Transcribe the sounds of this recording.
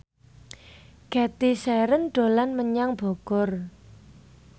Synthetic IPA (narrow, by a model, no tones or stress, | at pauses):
ɡ̥ɛt̪isɛɾənɖ̥o̤lanməɲaŋb̥oɡ̥ɔr